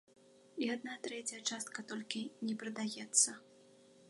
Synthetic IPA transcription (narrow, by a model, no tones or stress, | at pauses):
iad̪̚nat̪ɾɛt͡sʲɐjɐt͡ʂast̪̚kɐt̪ɔlʲkʲinʲɛpɾɨd̪ajɛt̪sːɐ